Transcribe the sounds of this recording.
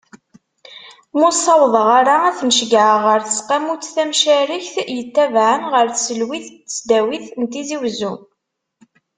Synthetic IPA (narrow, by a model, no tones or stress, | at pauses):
mʊsˤɑwðˤəʁaɾaæθnəʃɡʕəʁəɾθəsqæmut͡sːθæmʃæɾiçθjət̪ːævʕənʁəɾθsəlwiθtːət͡sd̪æwiθnt̪iziwzum